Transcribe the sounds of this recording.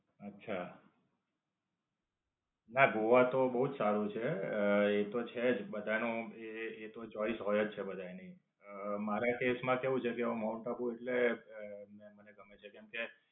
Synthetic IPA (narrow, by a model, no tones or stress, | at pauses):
ətːʃʰa | naɡoʋat̪obəɦud͡ʒsaɾũt͡ʃʰeet̪ot͡ʃʰed͡ʒbəd̪ʱanõeːt̪ot͡ʃɔisɦɔjed͡ʒt͡ʃʰebəd̪ʱajni | əmaɾakesmãkeʋũt͡ʃʰekeəũmauɳʈabueʈle | meməneɡəmet͡ʃʰekɛmke